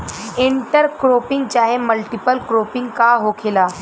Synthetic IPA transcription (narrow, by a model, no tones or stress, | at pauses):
iɳʈəɾkɾopiŋɡ̚t͡ɕaɦeməlʈipəlkɾopiŋɡkaɦokʰela